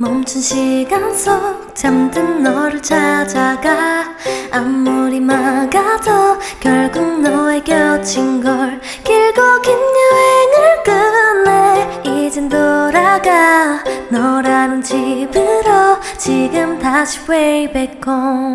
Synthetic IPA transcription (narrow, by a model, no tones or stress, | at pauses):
mʌmt͡ɕʰɯnɕʰiɡansʰo | t͡ɕamdɯnːʌɾɯɭt͡ɕʰad͡ʑaɡa | amːuɾimaɡadʌkjʌɭɡuŋnʌekjʌt͡ɕʰinɡʌɭ | kiɭɡokinɲuenɯɭkɯaneid͡ʑendoɾaɡanʌɾanɯnd͡ʑibɯɾʌ | t͡ɕiɡɯmtaɕʰi̥webek͈o